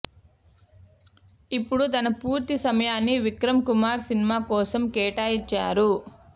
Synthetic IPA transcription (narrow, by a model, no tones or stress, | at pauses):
ipːuɽut̪ɐnɐpuːɾt̪isɐmɐjaːnːiʋikɾɐmkumaːɾsinimaːkɔːsɐmkɛːʈaːjit͡ʃːa̰ːɾu